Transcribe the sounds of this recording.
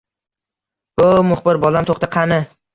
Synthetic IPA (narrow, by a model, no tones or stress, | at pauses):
b̥ʊmʊχbɪɾbɒlamt̪ʰoχt̪ɪqʰɑnɪ